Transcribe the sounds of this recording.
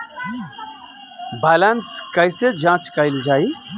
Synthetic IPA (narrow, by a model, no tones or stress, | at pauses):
bɛlənskəɪsed͡ʒãt͡ʃkəɪld͡ʒaːi